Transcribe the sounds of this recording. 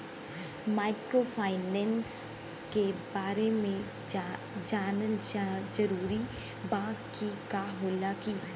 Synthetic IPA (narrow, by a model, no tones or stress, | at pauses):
maːɪkɾopʰaːɪnɛ̃ːns | kebaːɾemẽ | d͡ʒaːnəld͡ʒɐɾuːɾi | bãːɡkikaːɦoːlakiː